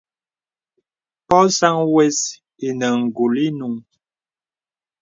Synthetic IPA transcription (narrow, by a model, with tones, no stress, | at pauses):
pɔ˦sa˦ŋwɛ˦s | e˨nə˨ŋ̩˨ɡu˨li˦nu˨ŋ